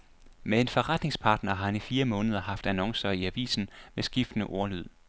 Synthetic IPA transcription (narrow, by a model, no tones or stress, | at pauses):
mee̝nfɒʁad̥ne̝ŋspʰɑ̈ːd̥nɐɦɑ̈hænifiːɐmɔ̽ːnəð̞ˠɐhɑ̈fd̥ænɒ̽ŋsɐiæʋḭːsn̩mesɡ̥ifd̥ənəʔoɐlyð̞̰ˠ